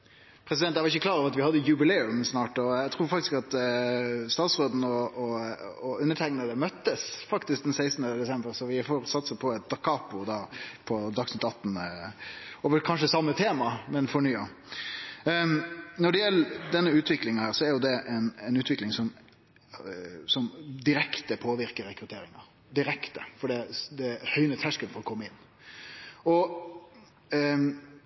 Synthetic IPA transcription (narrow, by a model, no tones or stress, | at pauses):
pʰɾɛs̬ɪdɛnt̪ːæʋɑɾɪçːəkʰlɑːɾɑʋɑt̪ʋɪhɑd̪ːəjʉbɪlɛːʉmsnɑːʈɔæt̪ʰɾuːɾfɑk̚t̪ɪ̥skɑt̪ | st̪ɑːt̪sʁoːd̪n̩ɔɔɔʉnːəʈʰæɪŋnəd̪əmœt̪ːəsfɑkt̪ɪsk̚d̪ɛnsæɪst̪nəd̪ɛsɛmbəɾsɔʋɪfoːɾsɑt̪ːsəpʰɔɛt̪̚d̪̥ɑkʰɑːpʊd̪ɑːpʰɔd̪ɑksnɪt̪ːɑt̪ːn̩ | ɔʋəkʰɑnʂəsɑmːət̪ʰeːmɑmɛnfɔɳyːɑ | nɔɖɛjɛlːəd̪ɛnːəʉːt̪ʰʋɪklɪŋnhæːɾsɔɛɾjʊd̪ɛʔɛnɛɪnʉːt̪ʋɪklɪŋsɔm | sɔmd̪ɪɾɛkt̪əpʰoːʋɪɾkəɾɛkɾʉt̪ʰeːɾɪŋɑɾ | d̪ɪɾɛkt̪əfɔɖɛːd̪ɛhœʏnət̪hæʂkəlnfɔɾɔkʰɔmːəɪnː | ɔ